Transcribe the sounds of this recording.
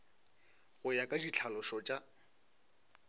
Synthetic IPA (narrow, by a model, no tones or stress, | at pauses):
ɣʊjakʼaʃit͡ɬʰalɔʃɔt͡ʃʼa